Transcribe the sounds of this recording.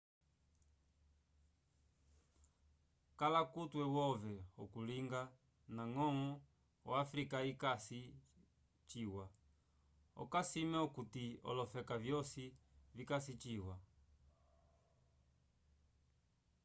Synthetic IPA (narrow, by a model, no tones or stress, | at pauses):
kalakutwɛwɔvɛɔkuliŋɡa | naŋɔŋɔ | waːfɾikaikasi | t͡ʃiwa | ɔ̰kasimɛɔkutiɔ̰lɔfɛkavjɔsivikasit͡ʃiwa